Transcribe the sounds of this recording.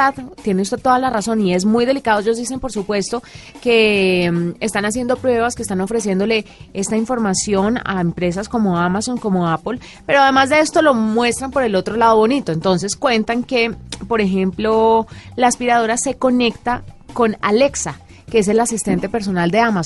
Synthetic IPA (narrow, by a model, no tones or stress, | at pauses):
aðt̪je̞neust̪e̞t̪o̞ðalaraso̞nie̞zmujðe̞likaðoeʝo̞zd̪is̬e̞mpo̞ɾsupwe̞st̪o̞ke̞ | est̪anas̬je̞nd̪o̞pɾwe̞β̞askest̪ano̞fɾe̞s̬je̞nd̪o̞le̞e̞st̪aiɱfo̞ɾmasjo̞na̰empɾe̞s̬asko̞mo̞amaso̞ŋko̞moapol | pe̞ɾoað̞e̞mazd̪e̞e̞st̪o̞lo̞mwe̞st̪ɾampo̞ɾe̞lo̞t̪ɾo̞lað̞o̞βo̞nit̪o̞ent̪o̞ns̬e̞skwe̞nt̪aŋke̞po̞ɾe̞xe̞mplo̞laːspiɾað̞o̞ɾase̞ko̞ne̞kt̪ako̞nale̞ksa | keese̞lasist̪e̞nt̪e̞pe̞ɾs̬o̞nald̪e̞amas